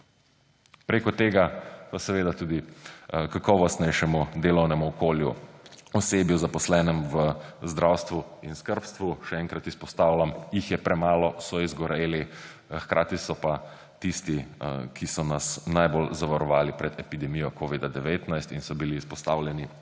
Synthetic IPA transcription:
pɾeːkɔt̪eːɡapasɛʋeːd̪at̪uːd̪ikakɔːʋɔst̪nɛjʃɛmud̪eːlɔwnɛmuɔkoːljṵɔseːbjuzapɔslɛːnɛmʋəzd̪ɾawst̪ʋuinskəɾpst̪ʋuʃɛɛŋkɾat̪ispɔst̪aːwlamjixjɛpɾɛmaːlɔsɔizɡɔɾeːli | xkɾʔaːt̪isɔpa | t̪ist̪ikʰisɔnasnajbolzaʋaɾɔʋaːlipɾɛd̪ɛpid̪ɛmijɔkoːʋid̪ad̪ɛʋeːt̪najst̪insɔbiliːspɔst̪aːwlʲjɛni

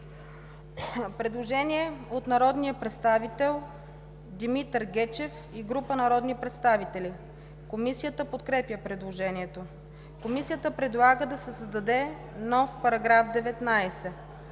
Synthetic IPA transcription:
pɾɛd̪lˠoʒɛniɛot̪nɐɾɔd̪nijəpɾɛt̪st̪avit̪ɛlˠ | d̪imit̪ɾɡɛt͡ʃɛf | iɡɾupənɐɾɔd̪nipɾɛt̪st̪avit̪ɛli | komisijət̪əpot̪kɾɛpjəpɾɛd̪lˠoʒɛniɛt̪o | komisijət̪əpɾɛd̪lˠaɡəd̪ɐsɛsəzd̪ɐd̪ɛ | nɔfpɐɾɐɡɾafd̪ɛvɛt̪najsɛ

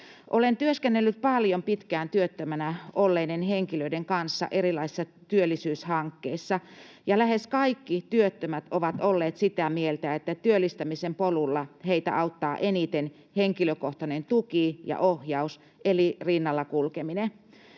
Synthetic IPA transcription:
ʔolent̪yøskenːelːyt̪̚pɑljompit̪kæːnt̪yøt̪ːømænæolːeinenheŋkiløidɾeŋkɑnsːɑ̰ʔerilɑisi̥sːɑ | t̪yølːˑisyːshɑŋkːeisːɑ | jɑlæheskɑikːit̪yøt̪ːømæt̪oʋɑt̪olːeːt̪sit̪æmielt̪æet̪ːæt̪yølːˑist̪æmisempolulːɑheit̪æ̰ʔɑut̪ːɑːʔenit̪en | heŋkiløkoht̪ɑnent̪ukijɑ̰ʔohjɑus | elirinːɑlːɑkulkemine

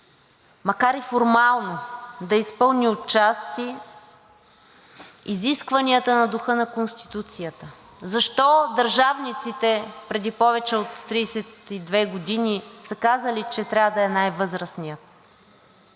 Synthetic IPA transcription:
mɐkaɾifoɾmalˠnod̪ɐispɤlˠnʲiot̚t͡ʃast̪i | iziskvɐniət̪ənɐd̪uxɤnɐkonst̪i̥t̪ut̪sijət̪ə | zɐʃt̪ɔd̪ɐɾʒavnit̪sit̪ɛpɾɛd̪ipɔvɛt͡ʃɛot̪ːɾiːsɛt̪id̪vɛɡod̪inisəkazəlit͡ʃɛt̪ɾʲavəd̪ɐɛnajvɤzɾəsnijət̪̚

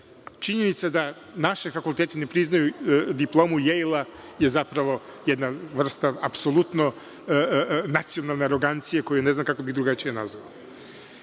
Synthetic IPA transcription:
t͡ʃiɲenit̪sad̪a | naʃefakulˠt̪eːt̪ene̞pɾiznajud̪iplˠo̞ːmujejlˠa | je̞zapɾaʋo̞jed̪naʋr̩st̪aapso̞lˠut̪no̞ | nat̪sijonalneaɾo̞ɡant̪sijeko̞june̞znamkakobiɣd̪ɾuɡat͡ʃijenazoʋa̰

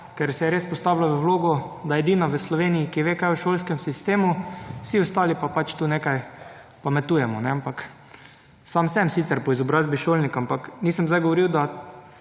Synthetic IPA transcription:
kɛɾsɛjɛɾeːspɔst̪awlaʋəwloːɡɔd̪aɛd̪inaʋəslɔʋeːnijikiʋeːkajəʃoːlskɛmsist̪eːmusiɔst̪aːlipapat͡ʃt̪uːnekaj | pamɛt̪uːjɛmɔnɛampak | saːmsɛmsit̪sɛɾpɔizɔbɾaːzbiʃoːlnikampakniːsəmzd̪ajɡoʋoɾiwd̪a

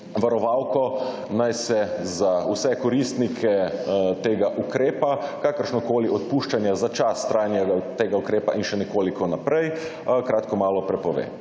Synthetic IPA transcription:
ʋaɾɔʋaːwkɔ | najsɛzausɛkɔɾist̪nikʰɛt̪eːɡaʔukɾeːpakakəɾʃnɔkoːliɔt̪puʃt͡ʃanjazat͡ʃasːt̪ɾaːjnjaɡat̪eːɡaukɾeːpaʔinʃɛnɛkoːlikɔnapɾɛj | kɾaːt̪kɔmaːlɔpɾɛpɔʋḛ

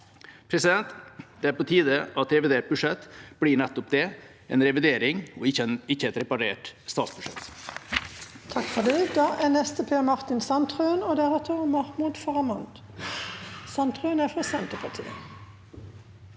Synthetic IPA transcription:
pʰɾɛsɪd̪ɛnt̪d̪̥ɛæːɾpot̪ʰiːd̪əɑt̪ɾɛʋɪd̪eːʈ̚bʉʂɛt̪ːb̥ɽiːɳɛt̪ːɔpd̪ɛ | ɛːnɾɛʋɪd̪eːɾɪŋɔɪçənɪçːəɛt̪ɾɛpɑɾeːʈst̪ɑːt̪sbʉʂɛ̰t̪ | t̪ʰɑkfɔd̪ɛd̪ɑːʔænɛst̪əpʰeːmɑʁt̪ɪnsɑnt̪ʁʉːnoːd̪æʁɛt̪ʰəʁmɑʁmʊd̪fɑʁɑmɑnd̪ | sɑnt̪ʁʉːnæːfʁɑsɛnt̪əpʰɑʁt̪ʰḭːə̰

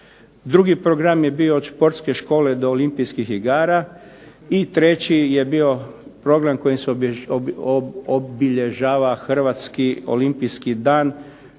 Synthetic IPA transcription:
d̪ɾuɡipɾoɡɾamjebioːd̪ʃpo̞ɾt̪ske̞ʃko̞ːle̞d̪oːlimpijskixiɡaːɾa | it̪ɾe̞t͡ɕije̞bio̞pɾo̞ɡɾamko̞jimse | obiʎe̞ʒaːʋaxr̩ʋat̪skio̰limpijskid̪aːn

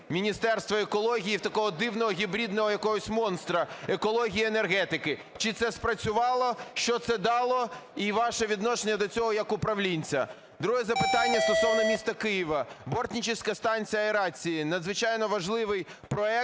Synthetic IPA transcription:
mʲinʲist̪ɛrst̪ʋɐekɔlˠɔɦʲijiwt̪ɐkɔɦɔd̪ɪwnɔɦɔɦʲibɾʲid̪nɔɦɔjɐkɔɦɔsʲmɔnst̪ɾɐekɔlˠɔɦʲijiene̞rɦɛt̪ɪkɪ | t͡ʃɪt̪sɛspɾɐt͡sʲʊʋɑlˠɔʃt͡ʃɔt̪sɛd̪ɑlˠɔiʋɑʃɛʋʲid̪nɔʃenʲːɐd̪ɔt͡sʲɔɦɔjɐkʊpɾɐʋlʲinʲt͡sʲɐ | d̪ɾuɦɛzɐpɪt̪ɑnʲːɐst̪ɔsɔʋnɔmʲist̪ɐkɪjiʋɐbɔrt̪ʲnʲit͡ʃɪsʲkɐst̪ɑnʲt͡sʲijɐeɾɑt͡sʲijinɐd̪zʋɪt͡ʃɑjnɔʋɐʒlˠɪʋɪj | pɾɔɛ

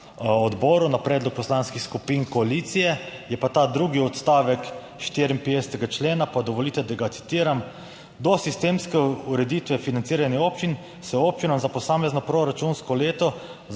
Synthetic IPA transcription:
ɔd̪bɔːɾunapɾɛd̪lɔk̚pɔslanskixskupinkɔalit̪sijɛjɛpat̪aːd̪ɾuːɡiɔt̪st̪aːʋɛk | ʃt̪eːɾimpɛst̪ɛɡat͡ʃleːnapad̪ɔʋɔliːt̪ɛd̪aɡat̪si̥t̪iːɾam | d̪ɔsist̪eːmskɛuɾɛd̪it̪ʋɛfinant̪iːɾaniopt͡ʃin | sɛoːp̚t͡ʃinamzapɔsaːmɛznɔpɾɔɾat͡ʃunskɔleːt̪ɔ

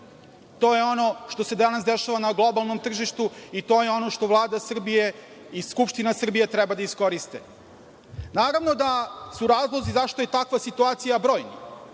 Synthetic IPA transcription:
t̪o̞ːjeo̞no̞ʃt̪o̞se̞d̪anas̬d̪eʃaʋanaɡlˠo̞balˠno̞mt̪r̩ʒiʃt̪uit̪o̞jeo̞no̞ʃt̪o̞vlˠaːd̪asr̩bije | iskupʃt̪inasr̩bije̞t̪ɾɛbad̪aisko̞ɾist̪e | naːɾavno̞d̪asuɾaːzlˠo̞zizaʃt̪oje̞t̪akʋasit̪uaːt̪sijabɾo̞ːjnḭ

